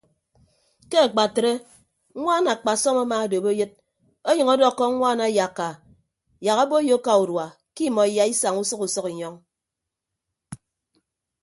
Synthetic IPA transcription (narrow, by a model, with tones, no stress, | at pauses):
ke˦a˨k͡pa˨tɾe˦ | ŋʷa˦na˨k͡pa˨sɔ˦ma˦ma˦˨do˨bo˦jɨ˦t̚ | o˦ɲʌ˨ŋɔ˦dɔ˦˨kːɔ˦aː˦na˨˦ja˨kːa˨ | ja˨ka˦bo˦jo˦ka˨u˨ɾwa˨ | ki˦˨mɔ˨i˨ja˨i˦sa˨ŋu˦sʌ˦ku˨sɔ˦ki˨ɲɔ˦ŋ